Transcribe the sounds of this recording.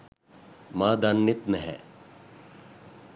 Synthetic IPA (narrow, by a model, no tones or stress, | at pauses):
maːd̪ɐnːit̪nɛɦɛ